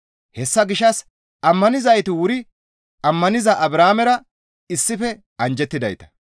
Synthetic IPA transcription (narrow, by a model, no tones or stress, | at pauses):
hɛsːɐɡɪʃɐs | ɐmːɐnɪzɐjt̪ɪwʊɾɪ | ɐmːɐnɪzɐʔɐbɾaːmɛɾɐ | ɪsːɪfɛ | ɐnd͡ʒɛt̪ːɪd̪ɐ̰jt̪ɐ̥